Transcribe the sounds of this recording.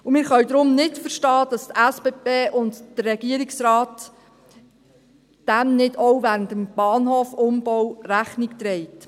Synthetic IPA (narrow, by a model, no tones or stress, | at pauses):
umɪːɾχœwd̪ɾʊmnɪtfəʃtɑːd̥ɑstæsb̥eːbeːʔʊndd̥ərːɛɡ̥iəɾɪksɾɑːt | d̥æmnɪdɔwvæːɾəntəmb̥ɑːnhoːfʊmb̥ɔwɾæχnikt̪ɾɛɪt